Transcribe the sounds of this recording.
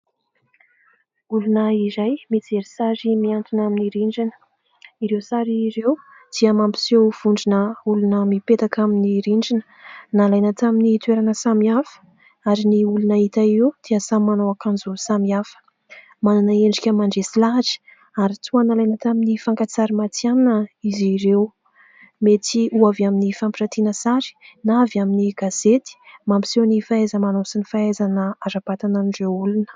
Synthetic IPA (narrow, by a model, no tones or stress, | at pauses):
ulunəizajmid͡zeɾisaɾimiant̪unaminiɾiɳd͡ʒinə̥ | iɾewsaɾiɾew | d̪̥iəmampi̥siowv̥uɳɖ͡ʐinəulunəmipet̪akaminiɾiɳɖ͡ʐinə | nalajnət̪aminit̪weɾanəsamiafə̥ | aɾiniulunait̪aeud̪̥iəsamːanawakand͡zusamiafə̥ | manunaeɳɖ͡ʐikʲəmaɳɖ͡ʐesilaɦʈ͡ʂi̥ | aɾit̪uanalajnat̪aminifaŋkat͡saɾimat͡sjanəiziɾew | met̪iʔuavaminifampiʈ͡ʂat̪inəsaɾi̥navaminiɡaz̥et̪i̥mambi̥sewnifaezəmanosinifaezanəaɾapat̪ananɖ͡ʐeulunə̥